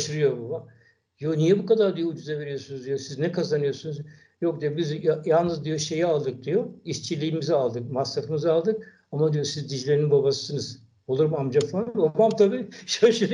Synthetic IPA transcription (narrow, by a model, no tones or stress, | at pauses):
ʃɯɾɯjo̞baba | jonijɛbukad̪aɾd̪ijo̞ud͡ʒuzave̞ɾijo̞sunuzd̪ijosiznɛkʰazanɯjo̞ɾsunuz | jo̞k̚d̪ijobizjalˠnɯzd̪ijo̞ʃe̞jɛalˠd̪ɯk̚d̪ijo̞ist͡ʃʰilʲiːmizalˠd̪ɯk̚masːafɯmɯzalˠd̪ɯk | amad̪ijo̞sizd̪id͡ʒlʲeɾinbabasɯ̥sɯnɯz̥ | olˠuɾmamd͡ʒafanbabamt̪ʰabiːʃaʃɯɾ